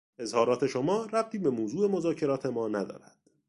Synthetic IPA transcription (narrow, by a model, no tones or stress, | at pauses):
e̞zhɒːɾɒːt̪ʰe̞ʃomɒːɾæb̚t̪ʰiːbe̞moːzuːe̞mozɒːcʰe̞ɾɒːt̪ʰe̞mɒːnæd̪ɒ̰ːɾæd̪̥